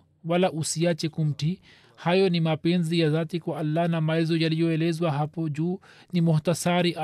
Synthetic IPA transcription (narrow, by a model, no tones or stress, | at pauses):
walaʔusiat͡ʃɛkum̩ti | hajɔnimapɛnzijaðatikwaʔalːanamaɛzɔjalijɔɛlɛzwaɦapɔd͡ʒuː | nimuhtasaɾiʔ